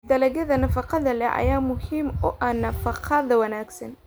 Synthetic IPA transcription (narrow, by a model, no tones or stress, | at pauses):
d̪ɐlɐɣɐðɐnɐfɑqɑðɐlɛʔɐ̰jaːmʊhiːmʊʔɐnɐfɑqʰɑðɐwɐnaːɡsɐn